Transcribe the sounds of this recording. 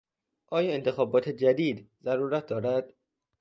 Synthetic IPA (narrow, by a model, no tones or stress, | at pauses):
ʔɒːjɒːe̞nt̪ʰexɒːbɒːt̪ʰed͡ʒæd̪iːd̪zæɾuːɾæt̪̚d̪ɒːɾæd̪̥